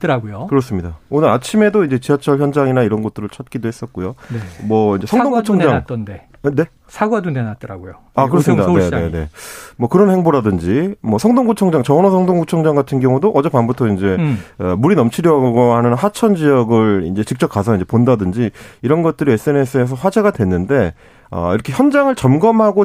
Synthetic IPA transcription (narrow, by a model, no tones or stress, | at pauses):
t͈ɯɾaɡojokɯɾʌs͈ɯmɲidaonɯɾat͡ɕʰime̞doind͡ʑe̞t͡ɕiat͡ɕʰʌɭçjʌnd͡ʑaŋinaiɾʌnɡʌt̚t͈ɯɾɯɭt͡ɕʰʌt̚k͈idoɦe̞s͈ʌt̚k͈ojonemwʌind͡ʑe̞sʰʌŋdoŋɡut͡ɕʰʌŋd͡ʑande | ne̞ | sʰaɡwadonenat͈ʌɾaɡojo | akɯɾʌsɯmmɲidaanee̞ne̞̰mwʌkɯɾʌnhe̞ŋboɾadɯnd͡ʑimwʌsʰʌŋdoŋɡut͡ɕʰʌŋd͡ʑaŋt͡ɕʌnʌsʰʌŋdoŋɡut͡ɕʰʌŋd͡ʑaŋɡatʰɯnɡjʌŋudoʔʌd͡ʑepanbutʰʌind͡ʑe̞muɾinʌmt͡ɕʰiɾjʌɡɡoɦanɯnɦat͡ɕʰʌnd͡ʑijʌɡɯɭḭnd͡ʑe̞t͡ɕik̚t͡ɕ͈ʌp̚k͈asʰʌind͡ʑe̞pondadɯnd͡ʑiiɾʌnɡʌt̚t͈ɯɾie̞s͈ɯe̞nes͈ʰɯes̬ʰʌɸwad͡ʑe̞ɡadwe̞nːɯnde̞ | ʌ̰iɾʌkʰeçjʌnd͡ʑaŋɯɭt͡ɕʌmɡʌmhaɡo